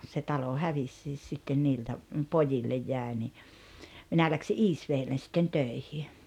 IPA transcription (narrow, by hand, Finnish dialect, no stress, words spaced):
se tɑlo hæʋisːiːs sitːen niːltæ pojilːej jæˑe ni minæ læksi ʔiːsʋeːlːen̞ sitːen tøˑihi